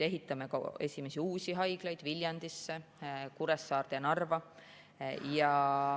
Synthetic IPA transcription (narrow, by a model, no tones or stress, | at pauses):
e̞ɦit̪ːˑɑme̞kɑ̰e̞sʲime̞siuːsiɦɑjɡ̥lɑjd̪̥vilʲjɑnd̪̥isːe | kuɾesːɑːrd̪̥eɑnɑrvɑ | jɑ